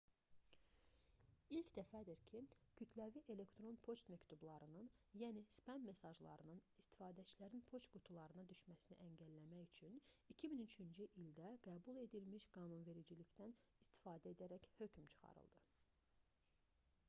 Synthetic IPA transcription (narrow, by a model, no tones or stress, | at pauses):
ilcʰd̪æfæd̪iɾcʰicʰyt̪ʰlæviʔe̞le̞kt̪ɾo̞npʰo̞st̪mæct̪ublˠɑɾɯnɯnjænispæmme̞sɑʒlˠɑ̰ɾɯnɯnist̪i̥fɑːd̪æt͡ʃʰilæɾinpʰo̞t͡ʃɡut̪ʰulˠɑɾɯnɑd̪yʃmæsinḭʔæɲɟælːæmæjyt͡ʃʰynicʰiminyt͡ʃʰynd͡ʒyʔild̪æɡ̥æːbulˠe̞d̪ilmiʃɡ̥ɑːnunve̞ɾid͡ʒiliçt̪ænist̪i̥fɑːd̪æe̞d̪æɾæchø̞cmt͡ʃʰɯ̥χɑ̰ɾɯ̰lˠd̪ɯ